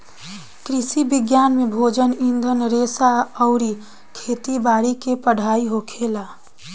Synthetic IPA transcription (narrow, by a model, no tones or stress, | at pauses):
kɾɪsibɪɡjaːnmẽbʱoːd͡ʒənĩnd̪ʱənɾeːsaɔʊɾi | kʰeːt̪ibaːɾikepəɽ̤aːiɦokʰeːla